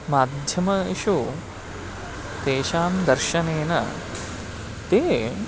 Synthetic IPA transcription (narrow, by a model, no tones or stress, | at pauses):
maːd̪ʱjɐmɐʃu | t̪eːʃaːmd̪ɐɾʃɐneːnɐ̰ | t̪eː